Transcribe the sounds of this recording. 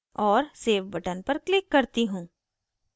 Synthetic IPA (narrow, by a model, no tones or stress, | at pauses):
ɔːɾseːʋbɐʈənpɐɾklɪkːɐɾt̪iɦũː